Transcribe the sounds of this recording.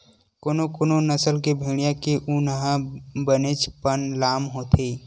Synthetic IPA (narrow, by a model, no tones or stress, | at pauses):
koːnokoːnonəsəlkebʱiːɽ̃ijãkeʔunəɦãbənet͡ʃpənlaːmɦoːt̪ʰe